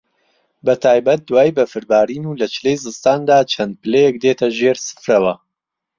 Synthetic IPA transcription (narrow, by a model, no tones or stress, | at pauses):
bɐt̪ʰaːjbɐt̪̚d̪waːjbɐfɨɾbaːɾiːnuːlɐt͡ʃɨlejzɨlst̪aːnd̪aːt͡ʃʰɐnd̪̚pɨlejɛk̚d̪et̪ʰɐʒeɾsɨ̥fɾɐwɐ